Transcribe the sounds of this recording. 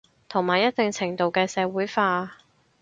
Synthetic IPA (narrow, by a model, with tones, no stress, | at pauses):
t̪ʰo˨˩ŋmaː˨˩jɐ˥t̚t̪ɪ˨ŋt͡sʰɪ˨˩ŋt̪o˨wkɛː˧sɛː˨˧wuː˨˥jfaː˧